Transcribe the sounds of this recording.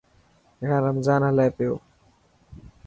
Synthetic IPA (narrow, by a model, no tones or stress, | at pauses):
ɦãːɾəmzaːnɦəlaːpɪjoː